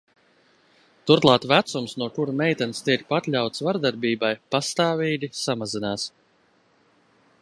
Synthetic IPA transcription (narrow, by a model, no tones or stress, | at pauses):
t̪uɾt̪lˠaːt̪væt̪sumsnuɔkuɾmɛjt̪ɛnst̪iɛk̚pat̪lʲawt̪svaɾd̪aɾbiːbajpast̪aːviːɡ̪ʲisamazinaːs